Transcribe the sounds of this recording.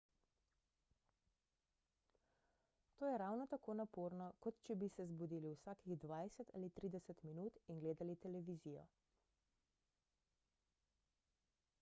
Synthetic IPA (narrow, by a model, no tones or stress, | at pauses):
t̪oːjɛɾaːwnɔt̪akoːnapoːɾnɔkɔt̪t͡ʃɛbisɛzbud̪iːliwsaːkiɣd̪ʋajsɛt̪a̰ːlit̪ɾiːd̪ɛsɛt̪minuːt̪iŋɡleːd̪alit̪ɛlɛʋizijɔ̰